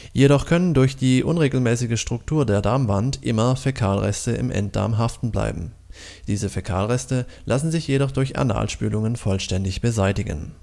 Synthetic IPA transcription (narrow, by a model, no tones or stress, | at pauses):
jeɾɔχkʰœnəndʊɐçd̥iːʔʊnʁeːɡl̩mɛːsɪɡəʃtʁ̥ʊktʰuːɐdeːɐdaɐmvantʔɪmɐfekʰaːlʁɛ̰stəɪ̰mʔɛ̰nt̚d̥a̰ɐmɦaftn̩bla̰ɪbm̩ | d̥iːzəfekʰa̰ːlʁɛstəlʔasn̩zɪçjeɾɔχd̥ʊɐça̰na̰ːlʃpy̰ːlʊŋənfɔlʃtɛndɪçb̥əzaɪtɪɡə̰n